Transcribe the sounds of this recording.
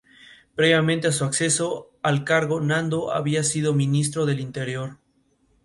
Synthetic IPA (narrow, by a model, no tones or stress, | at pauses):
pɾe̞βjamẽnt̪easuakse̞so̞ | alkaɾɣo̞nãnd̪oʔa̰βiasið̞o̞mĩnis̬t̪ɾo̞ð̞e̞lint̪e̞ɾjo̞ɾ